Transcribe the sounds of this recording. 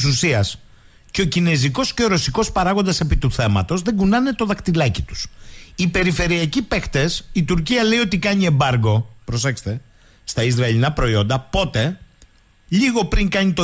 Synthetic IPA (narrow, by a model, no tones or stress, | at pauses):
susiɐs | ce̞ocine̞ziko̞sce̞o̞ɾo̞siko̞spɐɾɐɣo̞nd̪ɐse̞pit̪uθe̞mɐt̪o̞zðe̞ɡunɐne̞t̪o̞ðɐkt̪ilɐcit̪u̥sipe̞ɾife̞ɾiɐcipext̪e̞sit̪uɾciɐle̞io̞t̪ikɐɲie̞mbɐɾɡo̞pɾo̞se̞kst̪e̞ | st̪ɐizɾɐilinɐpɾo̞io̞nd̪ɐpo̞t̪e̞ | ʎiɣo̞pɾiŋkɐɲit̪o